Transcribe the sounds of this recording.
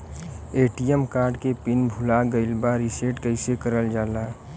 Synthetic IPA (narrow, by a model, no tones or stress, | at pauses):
eʈijəmkaːɾɖkepinbʱulaɡəɪlbaɾiseʈkəɪsekəɾəld͡ʒaːla